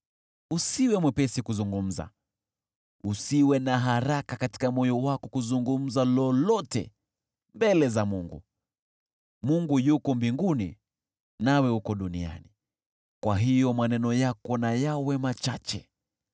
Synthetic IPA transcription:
usiwɛmwɛpɛsikuzuŋɡum̩za̰ | usiwɛnaɦaɾakakati̥kamɔjɔwakɔkuzuŋɡum̩zalɔlɔtɛ̰ | mbɛlɛzamuŋɡṵ | muŋɡujukɔmbiŋɡunḭ | nawɛhukɔɗunia̰ni | kwaɦijɔmanɛnɔjakɔnajawɛmat͡ʃat͡ʃɛ̰

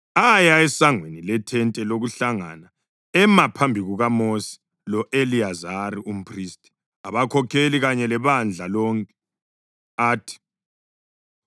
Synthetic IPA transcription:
ajaɛsaŋwenilɛtʰɛntʼɛloɣuɬaŋa̰na | ɛmapʰambʱiɣuɣamosi̥ | lɔʔeliazaɾiʔum̩pʰʼriːstʼi̥ | aβakʰɔkʰeliɣaɲɛlɛβand͡ɮʱalɔŋkʼɛ̥ | aːtʰi̥

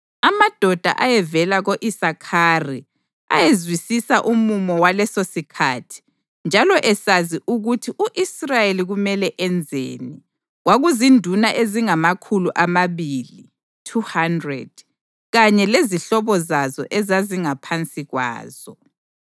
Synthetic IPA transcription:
amad̥ʱɔd̥ʱa̰ʔajɛvɛlaɣoʔisakʰari | a̰jezwisisaʔumumɔwalɛsosikʰatʰi̥ | nd͡ʒʱalɔʔɛsaziʔuɣutʰiʔuʔisrajeliɣumɛlɛʔɛnd͡zʱḛni | ɣwaɣuzindʱunaʔeziŋamakʰuluʔamaβili | tʰuhandrɛ̰d̥̚ | ɣaɲɛleziɬɔβɔzazɔ̰ʔɛzaziŋapʰant͡sʼiɣwa̰ːz̥ɔ

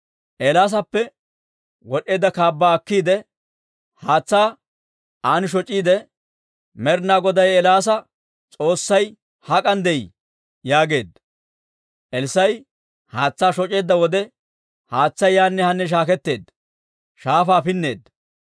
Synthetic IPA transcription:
ʔelaːs̬ɐpːɛ | wɔɗe̞ːd̪ːɐkaːbːaːɐkːiːd̪ɛ | haːt͡sːaː | aːnɪʃ̬ɔt͡ʃʼːiːd̪ɛ | mɛɾnaːɡɔd̪ɐjɛlaːs̬ɐ | t͡sʼo̞ːsːɐj | hɐkʼɐnd̪ɛj | jaːɡe̞ːd̪ | ʔɛlsɐj | haːt͡sːaːʃɔt͡ʃʼe̞ːd̪ːɐwɔd̪ɛ | haːt͡sːɐjaːnːɛhɐnːɛʃ̬aːkɛt̪ːe̞ːd̪ | ʃaːfaːfɪnːe̞̰ːd̪

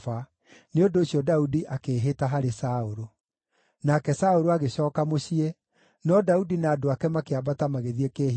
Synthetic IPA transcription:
fa | neondoːɕiɔdaudiʔakeːɦetaɦaɾesaoɾo | nakɛsaoɾoaɣeɕɔːkamoɕiɛ | nɔdaudinaːdoakɛmakeabatamaɣeðiekeː

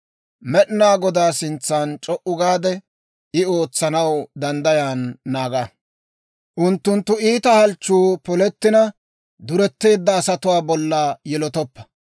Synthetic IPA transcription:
mɛɗɪnaːɡɔd̪aːsɪnt͡sːaːnt͡ʃʼɔʔʊɡaːd̪ɛ | ɪo̞ːt͡sːɐnɐwd̪ɐnd̪ɐjaːnːaːɡɐ | ʔʊnt̪ːʊnt̪ːʊiːt̪ɐhɐlt͡ʃːuːpɔlɛt̪ːɪnɐ | d̪ʊɾɛt̪ːe̞ːd̪ːɐːsɐt̪ʊwaːbɔlːaːjɛlɔt̪ɔpːɐ̥

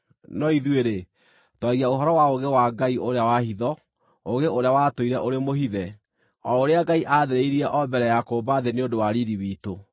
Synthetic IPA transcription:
nɔiðweɾe | twaɣiaoɦɔɾɔwaoɣewaɡaiʔoɾeawahiðɔ | oɣeoɾeawatoiɾɛʔoɾemoɦiðɛ | ɔoɾeaɡaiʔaðeɾeiɾiɛʔɔbɛɾɛjakoːbaðeneodowaɾiɾiwiːto

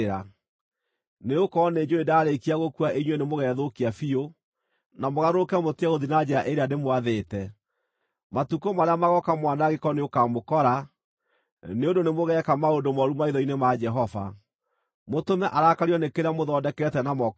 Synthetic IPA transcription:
ɾa | neokɔned͡ʒoedaːɾekiaɣokuaʔeɲwɛnemoɣɛðokiafio | namoɣaɾokɛmoteaɣoðinad͡ʒɛɾaʔeɾeanemwaðeːtɛ | matukomaɾeamaɣɔkamwanaɣekɔneokamokɔɾa | neondonemoɣɛkamaondomɔɾumaiðɔinemad͡ʒɛɦɔva̰ | motomɛʔaɾakaɾiɔnekeɾeamoðɔdɛkɛtɛnamɔ

